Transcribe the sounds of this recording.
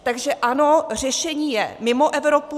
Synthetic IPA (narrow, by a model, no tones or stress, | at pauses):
t̪aɡʒɛʔanor̝ɛʃɛɲiːjɛ̰mɪmoʔɛvɾop